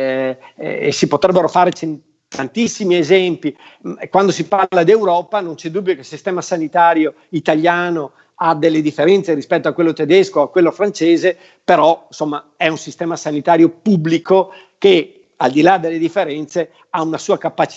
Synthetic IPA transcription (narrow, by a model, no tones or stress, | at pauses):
sipot̪ɾɛbːeɾofaɾet͡ʃen | t̪ant̪isːimiezɛmpi | kwand̪os̬ipaɾlad̪iewɾɔːpanont͡ʃɛd̪ubːjokelsist̪ɛːmasanit̪aːɾjo | it̪aʎjaːno | ad̪elːed̪ifːeɾɛnt̪seɾispɛt̪ːoakwelːot̪ed̪eskoakːwelːofɾant͡ʃeːze | peɾɔinsomːaɛunsist̪ɛːmasanit̪aːɾjopubːliko | ke | ald̪ilad̪elːed̪ifːeɾɛnt̪se | aunasuːakapːat͡ʃ